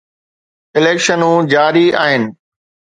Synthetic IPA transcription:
ɪleːkʃənũːd͡ʑaːɾia̰ːɦɪnɪ̆

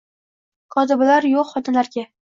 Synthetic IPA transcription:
qʰɒd̪ɪblaɾjoqχɒt̪ʰɪnlaɾɡʲa

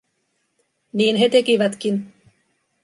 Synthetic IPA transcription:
niːnɦe̞t̪e̞kiʋæt̪k̟in

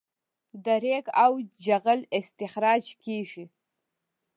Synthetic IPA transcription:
d̪aɾeɡawd͡ʒaɣəlɪst̪ɪxɾɑːd͡ʒkeʒi

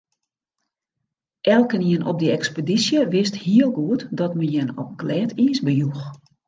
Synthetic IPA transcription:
ʔɛlˠkəniənʔɔ̰p̚dəɛkspədisjəʋɪsthiəlˠɡuətdɔtməjɛnɔ̰p̚ɡlɛːtiːsbəjux

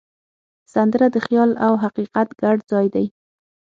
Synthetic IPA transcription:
sand̪əɾad̪əxjɑlawɦaqiqat̪ɡaɖd͡zɑjd̪aj

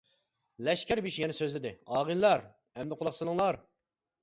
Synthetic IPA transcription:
lɛʃkʲʰɛɾbiʃjɛnɛsøzlɪd̪ɪɑːʁɨllˠɑɾ | ɛmd̪ɪqʰʊlˠɑqsɨlˠɨŋlˠɑɾ

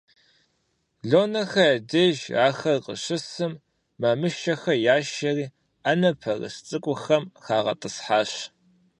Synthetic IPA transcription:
ɮoːnɐxɐɐdɐʒaːxɐrqʼə̰ɕɨsɨmː | amɨʃɐxɐjaːʃɐriː | anɐpʰɐrɨ̰ɕt͡sʼɨkʷʼʊxɐmxaːʁɐ̰tʼɨsħaːɕ

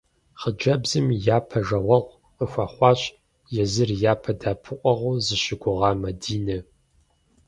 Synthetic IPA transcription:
χəd͡ʒɐbzɨmjaːpʰɐʒɐʁʷɐʁʷ | əxʷɑːχʷɑːɕ | jɛzɨrjaːpʰɐdaːpʰɨʔʷʼɐʁʷuzɨɕɪɡʷʊʁɑːmɐdiːnɐ

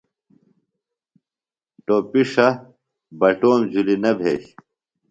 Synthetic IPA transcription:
ʈopiʂɐ | bɐʈoːmd͡ʑulinɐbʱḛːɕ

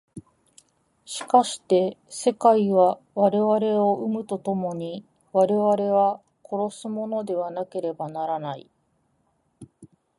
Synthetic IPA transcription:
ɕi̥kaɕi̥t̪e̞se̞kaiβa | βaɾe̞βaɾe̞o̞ɯmɯ̟t̪o̞t̪o̞mo̞ɲ̟i | βaɾe̞βaɾe̞β̞a | kʰo̞ɾo̞sɨmo̞no̞d̪e̞β̞anake̞ɾe̞banaɾanaḭ

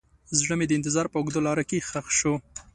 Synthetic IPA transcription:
zɽəmed̪əɪnt̪ɪzɑɾpəʊɡd̪olɑɾəkexaxʃo

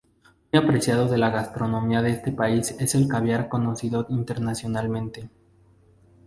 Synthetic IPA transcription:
mujapɾe̞sjaðo̞ðe̞laɣast̪ɾo̞nõ̞miaðeest̪e̞paise̞se̞lkaβjaɾko̞no̞siðoint̪e̞ɾnasjo̞nalmẽ̞nt̪e

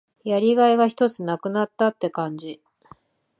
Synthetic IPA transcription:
jaɾʲiɡaeɡaçi̥t̪o̞t͡sɨnakɯ̟nat̪ːat̪ːe̞kãɲ̟d͡ʑi

